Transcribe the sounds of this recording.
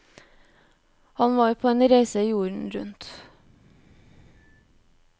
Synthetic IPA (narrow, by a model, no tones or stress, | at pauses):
hɑnʋɑːɾpʰoːeːnɾeɪsəiːjuːɳ̩ɾʉ̰nt̪